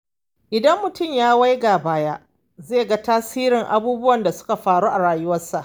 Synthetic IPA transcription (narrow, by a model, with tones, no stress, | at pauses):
ʔɪ˨dɐ˦mːʊ˨tʊ˦˨mjaː˦wa˦jɡa˨baː˦ja˦ | zeː˦˨ɡa˦taː˦siː˦ɾɪ˨ŋʔa̰˨buː˦bʊ˦wɐ˨nda˨sʊ̥˦ka˨ɸaː˨ɽuː˦ʔa˨ɽaː˨jʊ˦wɐ˦rsa˨ʔ